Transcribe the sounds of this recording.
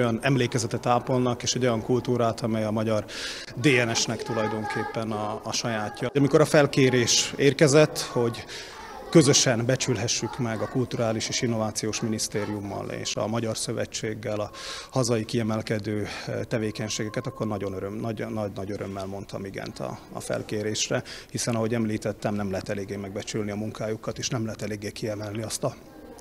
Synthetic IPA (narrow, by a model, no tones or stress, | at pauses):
ojɒnɛmleːkɛzɛt̪ɛt̪aːpolnɒkeːʃɛɟo̞jɒŋkult̪uːɾaːt̪ʰɒmɛjɒmɒɟɒr | d̪eːɛnɛʃnɛkt̪ulɒjd̪o̞ŋkʰeːpːɛnɒːʃɒjaːcːɒɒmiko̞ɾɒfɛlkeːɾeːʃeːrkɛzɛt̪ːho̞ɟ | kø̞zø̞ʃɛnbɛt͡ʃylɦɛʃːykmɛɡɒkult̪uɾaːliʃeːʃinːo̞vaːt̪sijoːʃminist̪eːɾijumːɒ̰lḛːʃɒ̰mɒɟɒrsøvɛ̰t͡ʃːeːɡːɛlɒhɒzɒjikiɛmɛlkɛd̪øːt̪ɛveːkɛɲʃeːɡɛkɛt̪ɒkːo̞rnɒɟo̞nøɾømnɒnɒɟnɒɟøɾømːɛlmo̞nt̪ɒmiɡɛ̰nt̪ʰɒ̰ːfɛ̰lkeːɾeːʃrɛhisɛnɒɦo̞ɟɛmliːt̪ɛt̪ːɛmnɛmlɛɦɛt̪ɛleːɡːeːmɛɡ̚bɛt͡ʃylniɒmuŋkaːjukɒt̪eːʃnɛmlɛɦɛt̪ɛleːɡːeːkiɛmɛlniɒst̪ɒ